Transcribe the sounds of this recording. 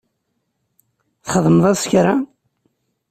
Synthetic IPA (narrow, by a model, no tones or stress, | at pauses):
θχəðˤməðˤɑsçɾa